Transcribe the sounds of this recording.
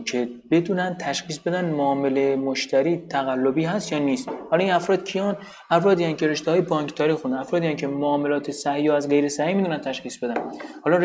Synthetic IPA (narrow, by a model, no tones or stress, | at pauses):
kʰebe̞d̪unænd̪̚t̪ʰæʃxiːsbe̞d̪ænmoːmelemoʃt̪æɾiːt̪ʰæɣælːobiːɦæst̪jɒːniːst̪hɒːlɒːiːnæfɾɒːd̪̚cʰijɒːn | æfɾɒːd̪iːjænkʰe̞ɾe̞ʃt̪ehɒːjebɒːŋkʰt̪ʰɒːɾiːxund̪næfɾɒːd̪ijæncʰe̞moɒːme̞lɒːt̪ʰesæhijɒːæzɢe̞jɾesæhiːmiːd̪unænt̪ʰæʃxiːsb̥e̞d̪ænhɒːlɒ